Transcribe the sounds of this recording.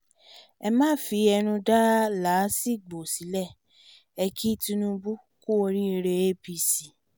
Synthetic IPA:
ɛ˧mãː˦˨fi˨˧ɛ˧ɾ̃ũ˧da˦la˨˦si˦˨ɡ͡bo˨si˨˦lɛ˦˨ | ɛ˧kʰi˦tĩ˧nũ˦bu˦ | ku˦o˧ɾi˦i˧ɾe˧e˦bi˧si˨

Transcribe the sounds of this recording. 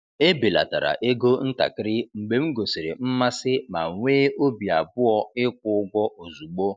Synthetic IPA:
e˦bi˨la̰˨ta̰˨ɾa̰˨ʔe˦ɡo˦n̩˦ta̰˨kɪ˦ɾɪ˦ŋ͡m̩˨ɡ͡be˨m̩˦ɡo˨se˨ɾe˨m̩˦ma˦sɪ˦ma˨ŋʷeː˦o˦bi˨a˨bʊ˦ɔ˦ɪ˦kʷʊ˦ʊ˦ɡʷɔ˦ʔo˨zu˨ɡ͡bo˦

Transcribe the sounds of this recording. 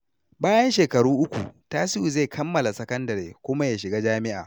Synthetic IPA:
baː˦jɐ˦nʃeː˨kɐ˨ɽuː˦ʔʊ˦kʷṵ˨taː˦sɪ˦ʔu˨ze˦˨kʰɐ˦mːɐ˨la˨sɐ˦kɐ˦ndɐ˨ɾeː˨kʷʊ˦ma˦jaː˨ʃɪ˨ɡaː˦d͡ʒaː˦mɪ˦ʔa̰ː˨

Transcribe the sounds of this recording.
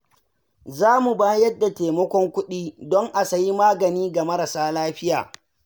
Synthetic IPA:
zaː˦mu˨baː˦jɐ˦dːa˨teː˨mɐ˦kʷɔ˦ŋkʷʊ˦ɗiː˦dɔ˦ŋʔa˨sa˨ji˦maː˦ɡɐ˨niː˦ɡa˨mɐ˦ɾa˨saː˦laː˦ɸɪ˦ja̰ː˨

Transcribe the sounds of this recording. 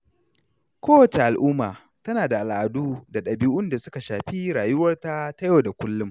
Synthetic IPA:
kʷoː˦wɐ˨t͡ʃe˨ʔa˨lʔʊː˦maː˨ | tɐ˦naː˨da˨ʔa˨lʔa˨duː˦da˨ɗɐ˨biː˦ʔʊ˦nda˨sʊ˦ka˨ʃaː˨ɸi˦ɾaː˨jʊ˦wɐ˦rta˦ta˦jo˨da˨kʷʊ˦lːʊ˦m

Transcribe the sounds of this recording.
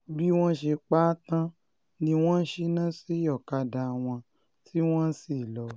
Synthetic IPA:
bi˦w̃ɔ̃˦ʃe˧k͡pa˦tã˦ | nĩ˧w̃ɔ̃˦n̩˦ʃe˦nã˦si˦jɔ˦˨ka˧da˧˨w̃ɔ̃˧ | ti˦w̃ɔ̃˦si˦˨lɔ˨˦

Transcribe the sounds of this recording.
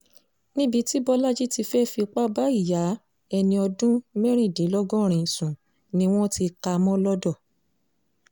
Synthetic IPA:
nĩ˦bi˧ti˦bɔ˦la˦d͡ʒi˦ti˧fɛ˦fi˧k͡pa˦ba˦i˦˨ja˨˦ | ɛ˧nĩ˧ɔ˧dũ˦mɛ˦ɾ̃ĩ˦˨de˨˦lɔ˦ɡɔ̃˦˨ɾ̃ĩ˨sũ˨ | nĩ˧w̃ɔ̃˦ti˧ka˧mɔ̃˦lɔ˦dɔ˦˨

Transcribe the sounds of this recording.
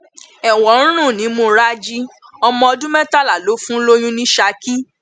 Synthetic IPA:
ɛ˨w̃ɔ̃˨˦ɾ̃ũ˦˨nĩ˨˦mõ˧ɾa˦d͡ʒi˦ɔ˧mɔ̃˧ɔ˧dũ˦mɛ̃˦ta˦˨la˨lo˨˦fũ˦lo˦j̃ũ˦nĩ˦ʃa˧˦ki˦

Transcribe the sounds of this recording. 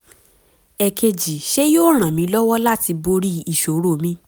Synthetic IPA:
ɛ˨kʰe˧d͡ʒi˨ʃe˦joː˦ɾ̃ã˨mĩ˨˧˦lɔ˦wɔ˦la˦ti˧bo˧ɾi˦i˦˨ʃo˨˦ɾo˦˨mĩ˧˦

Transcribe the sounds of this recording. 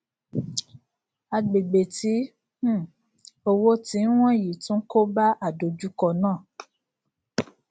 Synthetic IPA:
a˧ɡ͡be˨ɡ͡be˨tĩ˨˦˨ | o˧wo˦ti˨˦w̃ɔ̃˦˨ji˨tũ˨˦ko˦ba˦ʔa˦˨do˨d͡ʒu˦kɔ˧nãː˦˨

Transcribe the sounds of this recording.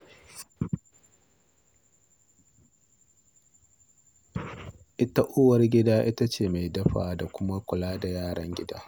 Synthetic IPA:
ʔɪ˦ta˦ʔoː˦wɐ˨rɡʲɪ˦daː˦ʔɪ˦ta˦t͡ʃeː˦˨ma˨jdɐ˦ɸaː˨da˨kʷʊ˦ma˦kʷʊ˨laː˦da˨jaː˦˨ɽɐ̰˦ŋɡʲɪ˦daː˦

